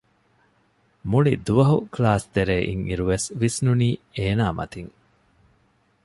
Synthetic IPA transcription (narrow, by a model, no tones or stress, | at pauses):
muɭid̪uʋɐɦuklaːst̪eɾeːʔḭŋiɾuʋesʋisnuniːeːnaːmɐ̰t̪iŋ